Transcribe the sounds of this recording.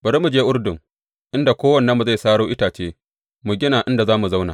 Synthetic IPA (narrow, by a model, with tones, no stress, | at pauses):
bɐ˨ɾi˦mu˨d͡ʒeː˦ʔʊ˦rdʊ˨ŋ | ʔɪ˦nda˨kʷoː˦wɐ˨nːɐ˦mːu˨za˦˨jsaː˦ɽoː˦ʔɪ˦taː˨t͡ʃeː˦ | mu˨ɡʲɪ˦naː˨ʔɪ˦nda˨zaː˦mu˨za˦wna̰ː˨